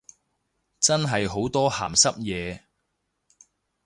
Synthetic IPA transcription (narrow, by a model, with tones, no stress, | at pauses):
t͡sɐ˥nɦɐ˨jɦo˨˥wt̪ɔː˥ha̰ː˨˩msɐ˥p̚jɛː˨˧